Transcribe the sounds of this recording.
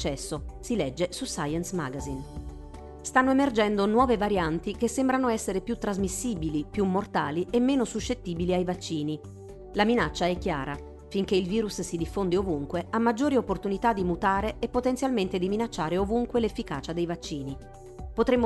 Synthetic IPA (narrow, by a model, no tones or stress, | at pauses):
t͡ʃːɛsːosilɛd͡ʒːesusajɛnsma̰ɡazin | st̪anːoemerd͡ʒɛnd̪onwɔːvevaɾjant̪ik̟esːembɾanoɛsːeɾepjut̪ːɾazmisːiːbilipjumːort̪aːliemːeːnosuʃːet̪ːiːbiliajvat͡ʃːiːni | laminat͡ʃːaɛkːjaːɾa | fiŋk̟eilviːɾussid̪ifːond̪iovuŋkweamːad͡ʒːoːɾiopːort̪unit̪ad̪ːimut̪aːɾeepːot̪ent̪sjalment̪ed̪iminat͡ʃːaːɾeovuŋkwelefːikaːt͡ʃad̪ejvat͡ʃːiːni | pot̪ɾemː